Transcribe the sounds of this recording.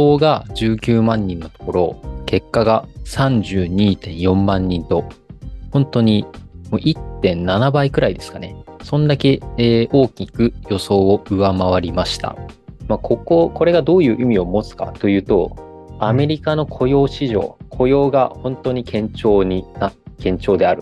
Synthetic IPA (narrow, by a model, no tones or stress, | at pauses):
oːɡad͡ʑɨːkʲɨːmãɲ̟ːĩnːo̞t̪o̥ko̞ɾo̞ke̞kːaɡasãɲ̟d͡ʑɨːɲ̟iːt̪ẽ̞ɰ̃jõ̞mːãɲ̟ːĩnt̪o̞hõ̞nt̪o̞ɲ̟imoːʔit̪ːẽ̞nnanabaikɯ̟ɾaid̪e̞sɨ̥kane̞sõ̞nd̪ake̞ːo̞ːkʲikɯ̟jo̞so̞ːoɯ̟βamaβ̞aɾʲimaɕi̥t̪a̰maːko̞ko̞ko̞ɾe̞ɡad̪o̞ːjɯ̟ːʔimʲio̞mo̞t͡sɨ̥ka̰t̪o̞jɯ̟ːt̪o̞̰ | ame̞ɾʲikano̞kʰo̞jo̞ːɕiʑo̞̰ːkʰo̞jo̞ːɡahõ̞nt̪o̞ɲ̟ikʰẽ̞ɲt͡ɕo̞ːɲinakẽ̞ɲ̟t͡ɕo̞ːd̪e̞aɾɯ̟